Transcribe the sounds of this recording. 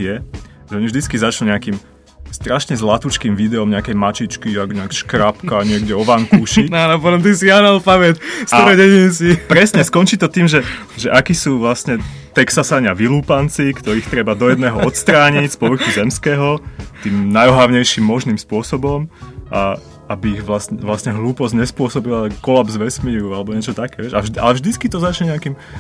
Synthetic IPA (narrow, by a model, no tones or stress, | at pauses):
jɛʒɛɔɲivʒd̪it͡skizat͡ʃluɲɛakim | st̪ɾaʃɲɛzlat̪ut͡ʃkiːmʋid̪ɛɔmɲɛakɛjmat͡ʃit͡ʃkiaɡɲɛakʃkɾapkaɲɪɛɡɟɛɔʋaŋkuʃianɔpɔt̪ɔmt̪isijanalpaʋɛt̪staɔɾɔdɛɲinsipɾɛsɲɛskɔnt͡ʃit̪ɔt̪iːmʒɛ | ʒɛʔakiːsuːʋlasɲɛ | t̪ɛksasaɲɪaʋiluːpant͡sikt̪ɔɾiːxt̪ɾɛbad̪ɔjɛd̪nɛːɦɔɔt̪st̪ɾaːɲicspɔʋr̩xuzɛmskɛːɦɔt̪iːmnajɔɦaʊɲɛjʃimːɔʒnimspʊɔsɔbɔmʔa̰ | abiːɣʋlasɛʋlasɲɛɦluːpɔzɲɛspʊɔsɔbilakɔlabzʋɛsmiːɾualɛbɔɲɪɛt͡ʃɔt̪akɛːʋɪɛʃa̰ʒd̪a̰lɛvʒd̪it͡skit̪ɔzat͡ʃɲɛɲɛakim